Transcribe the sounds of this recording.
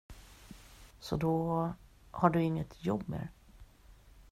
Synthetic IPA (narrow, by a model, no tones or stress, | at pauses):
sɔd̪ɔ | haɖɵɪŋːət̪ʰjɔbmḛːɾ